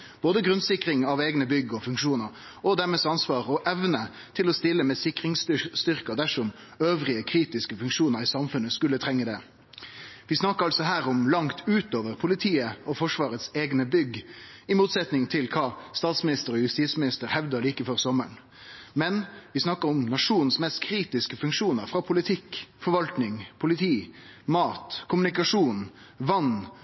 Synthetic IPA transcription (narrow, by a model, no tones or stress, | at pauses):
b̥oːd̪əɡʁʉnsɪkɾɪŋɑʋeːɡnəbʏɡɔfʉŋkʂuːnəɾ | ɔd̪æːɾmeːsɑnsʋɑːʁɔʔɛʋnə | t̪ʰɪlɔst̪ɪlːəmɛsɪkɾɪŋsst̪ʏʁkɑd̪æʂɔm | øːʋɾɪəkʰɾiːt̪ɪskəfʉŋkʂuːnəɾɪːsɑmfʉnːəskʉlːət̪ʰʁɛŋːəd̪ɛː | ʋɪsnɑkːəɾɑlsɔɦæːɾʊmlɑŋt̪ʰʉːt̪oːʋəʁpʰʊlɪt̪ʰiːəɔfɔʂʋɑːʁət̪seːɡnəbʏɡɪmuːt̪sɛt̪nɪŋt̪ʰɪlkʰɑːst̪ɑːt̪smɪnɪst̪əɾɔjʉst̪iːsmɪnɪst̪əɾhɛʋd̪əliːkəfɔʁsɔməɳ | mɛnʋɪsnɑkəɾɔmnɑʂuːnn̩smɛst̪kʰɾiːt̪ɪskəfʉŋkʂuːnəɾfʁɑpʰʊlɪt̪ʰɪkfɔɾʋɑlt̪nɪŋpʰʊlɪt̪ʰiːmɑːt̪kʰʊmʉnɪkɑʂuːn | ʋɑnː